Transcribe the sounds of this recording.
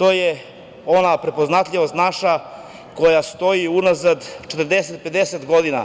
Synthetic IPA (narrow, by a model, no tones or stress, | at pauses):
t̪oje | o̞napɾe̞po̞znat̪ʎʲiʋost̪naʃa | ko̞jast̪o̞iunazad̪t͡ʃet̪əɾd̪eset̪̚pe̞d̪eset̪ɡo̞d̪ina̰